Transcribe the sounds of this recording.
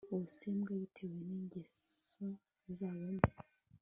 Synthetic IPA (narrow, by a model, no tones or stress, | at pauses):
oseːmɡajitʰeweneːɲɟeso | zaːβomi